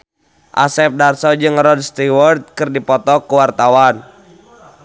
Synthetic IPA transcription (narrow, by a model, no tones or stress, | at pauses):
ʔa̰sɛp̚darsɔd͡ʒɨŋrɔd̚st̪iwɔrt̪̚kɨrdipɔt̪ɔkuwart̪awan